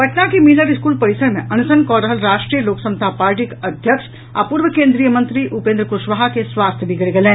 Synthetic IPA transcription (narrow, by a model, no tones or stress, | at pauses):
bʱɐʈnakimiləɾɪskuːlpɐɾɪsəɾmẽɐnusənkɔːɾəɦəlɾaːʃʈɾijəloːksɐ̃mst̪ʰapaːɾʈ̬ikɐd̪ʱjəkʃ | a̰puːɾʋəkẽːnd̪ɾijəmɐ̃nt̪ɾiʔupẽnd̪ɾəkʊʃʋaɦakesʋaːst̪ʰjəbʱiɡɐɾeɡɐlẽː